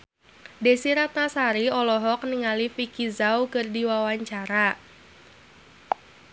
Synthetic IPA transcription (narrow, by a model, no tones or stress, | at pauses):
desiɾat̪nasaɾiɔlɔɦɔk̚niŋalifikizawkərdiwawaɲt͡ʃaɾa